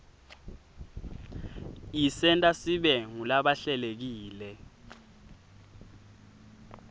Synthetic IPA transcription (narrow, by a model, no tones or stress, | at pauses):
isɛntʼasiɓɛŋulaɓaɬɛlek̬iːlɛ